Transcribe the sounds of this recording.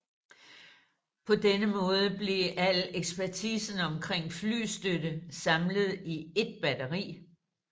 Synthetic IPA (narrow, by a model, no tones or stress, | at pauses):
pʰɒ̽d̥enəmɔ̽ːð̞ˠəb̥le̝ʔæleɡ̥sb̥æɐt͡sʰiːsən̩ɒ̽mkʰʁeŋ̰fly̰ːsd̥ødəsɑ̈mləð̞ˠie̝d̥̚b̥ædɐʁḭː